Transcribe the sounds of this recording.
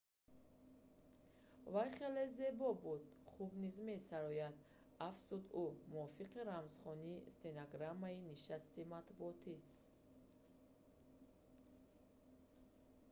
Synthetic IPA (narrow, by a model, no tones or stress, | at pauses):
vajχe̞le̞ze̞bɔbud̪χubnizme̞saɾɔjad̪ | afz̥ud̪umuɔfiqiɾamz̥χɔniːst̪enaɡɾamːainiʃast̪imat̪buɔt̪ʰi